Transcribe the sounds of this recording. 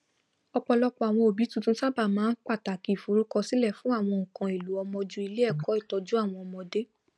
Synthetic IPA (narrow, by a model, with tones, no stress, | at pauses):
ɔ˧k͡pɔ˧lɔ˦k͡pɔ˧˦a˨w̃ɔ̃˧o˨bi˨˦tũ˦˧tũ˦sa˦ba˦˨mãː˦n̩˦k͡pa˦˨ta˨ki˨fu˨ɾu˨˦kɔ˧si˦lɛ˦˨fũ˨˦a˦˨w̃ɔ̃˧ŋ̩˨kã˨e˨lu˨˦ɔ˧mɔ̃˧d͡ʒu˦i˧le˦ɛ˦˨kɔ˨˦i˦˨tɔ˧d͡ʒu˦a˦˨w̃ɔ̃˧ɔ˧mɔ̃˧de˦